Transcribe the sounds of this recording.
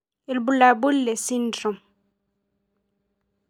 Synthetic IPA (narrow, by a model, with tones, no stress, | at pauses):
ɪ˨lbu˨la˨bu˦lle˨si˦ndrɔ˨m